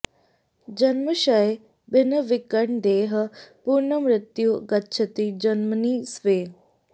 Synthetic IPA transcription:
d͡ʒɐnməʃɐe | bɪnəʋɪkəɳd̪eːɦə̆puɾɳəmɾɪt̪juɡɐtːʃʰət̪id͡ʒɐnməniːsʋeː

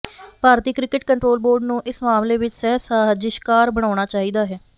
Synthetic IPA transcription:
paːɾt̪iːkɾɪkɪʈkəɳʈɾoːlboːɾɖnũːʔɪsmaːmleːʋɪt͡ʃsɛːsaːɦd͡ʒɪʃkaːɾbəɽ̃aːʊɽ̃aːt͡ʃaːɦiːd̪aːɦɛː

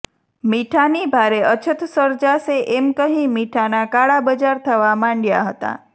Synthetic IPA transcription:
miʈʰanibʱaɾeət͡ʃʰət̪səɾd͡ʒaseʔemkəɦĩmiʈʰanakaɭabəd͡ʒaɾt̪ʰəʋamãɳɖja̰ɦət̪a̰

